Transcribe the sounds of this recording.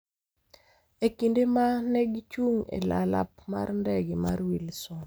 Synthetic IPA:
ekindemanɛɡt͡ʃuŋḛlala̰p̚ma̰rndɛɡɪmaɾwilsɔ

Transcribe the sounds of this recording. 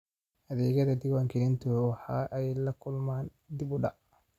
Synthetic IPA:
ʔɐðɛːɣɐðɐd̪ɪwaːŋkʰɪɾɪnt̪ʰʊwɑħɑːʔɛjlɐkʰʊlmaːn | d̪ibʊɖɐ

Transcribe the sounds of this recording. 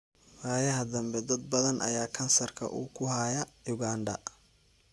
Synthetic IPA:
waːjɐɦɐd̪ɐmbɛd̪ɐd̪̚bɐðɐnʔɐ̰jaːkʰɐnsɐrkʰɐ̰ʔṵːkʰʊɦaːjɐjʊɣaːnɖɐ̰

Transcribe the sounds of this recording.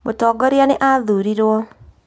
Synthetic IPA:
motɔːɡɔɾeaneʔaðuɾiɾwɔ

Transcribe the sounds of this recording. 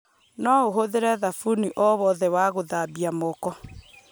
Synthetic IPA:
nɔoɦoðeɾɛðafuniʔɔβɔðɛwaɣoðabiamɔkɔ

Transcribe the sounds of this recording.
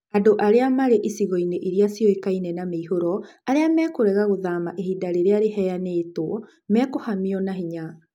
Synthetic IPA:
adoʔaɾeamaɾeʔisiɣɔineʔiɾiasijɔekainɛnameihoɾɔaɾeamɛkoɾɛɣaɣoðamaʔeɦidaɾeɾeaɾehɛjaneːtoɔ | mɛkohamiɔnaɦiɲa

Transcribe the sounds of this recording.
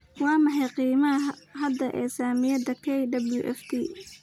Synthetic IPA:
wɑːmɐħɛjqiːmɐɐɦɐd̪ɐʔɛːsaːmɪjɐd̪ɐkʰɛjɖɐbljʊʔɛ̰ft̪ʰiː

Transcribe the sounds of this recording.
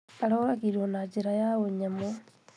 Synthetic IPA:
aɾoːɾakiɾonad͡ʒeɾajaoɲamo

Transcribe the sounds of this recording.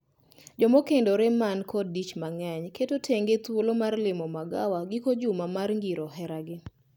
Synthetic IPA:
d͡ʒɔmokendoɾemankʰɔit͡ʃmaŋɛɲketotʰeŋɡet̪wolomarlɪmɔmaɡa̰waɡɪkod͡ʒumamarŋɡiɾɔɦɛɾaɡɪ

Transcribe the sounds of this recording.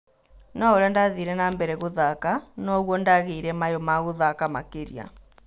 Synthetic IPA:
nɔoɾandaðiːɾɛnambɛɾɛɣoðakanɔɣwɔndaɣeːɾɛmajɔmaɣoðakamakeɾḭa̰

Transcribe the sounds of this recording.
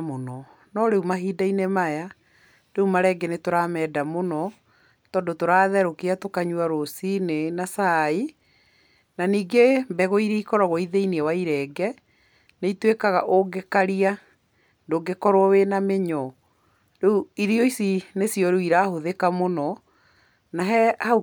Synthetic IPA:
monɔ | nɔɾeumaɦiːdainemaja | deumaɾɛɡɛnetoɾamɛdamonɔ | tɔːndotoɾaðɛɾokeatokaɲuaɾosinenasai | naniːɡembɛɣoiɾeikɔɾɔɣɔiðeiniɛwaiɾɛɡɛ | neitwekaɣaʔoɡekaɾia | ndoːɡekɔɾwɔwenameɲɔ | ɾeuiɾiɔisinesjɔɾeiɾahoðekamonɔ | naɦɛhau

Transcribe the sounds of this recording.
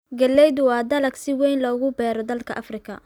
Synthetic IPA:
ɡɐlːɛjðʊwɑːd̪ɐlɐɡsɪwɛjnlɔːɣʊbɛːɾɔd̪ɐlkʰɐʔɐfrɪkʰɐ̰

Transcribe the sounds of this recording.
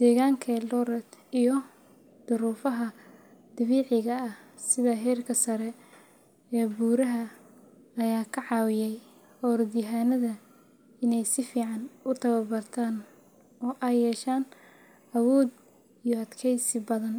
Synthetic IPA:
d̪̥ɛːɣaːŋkʰɐlɔɾɛt̪ijɔ | d̪̥ʊɾuːfɐɦɐ | d̪̥ɐβiːʕɪɣɐɐhsɪðɐɦɛːrkʰɐsɐɾɛ | ɛːbuːɾɐɦɐ | ɐjaːkʰɐʕɑːwɪjɛj | hɔːrd̪ɪɦaːnɐðɐ | ɪnɛjsɪfiːʕɑnʊt̪ʰɐwɐbɐrt̪ʰaːn | ɔːʔajːɛːʃaːn | ʔɐwɔːd̪ | ijɔɐd̪kʰɛjsɪbɐðɐn

